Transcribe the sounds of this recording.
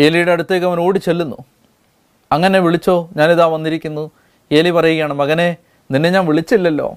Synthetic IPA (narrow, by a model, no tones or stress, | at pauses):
eːlijuɽeɐɽut̪ːeːkːɐmɐnoːɽit͡ɕe̞lːunːṵ | ɐŋːɐneʋiɭit͡ɕːo̞ːɲaːniðaːʋɐnːiɾikʲːunːu | eːlipɐrɐjuɣɐjaːɳɨmɐɣɐne̞ | ninːe̞ɲaːnʋiɭit͡ɕːilːɐlːo̞̰ː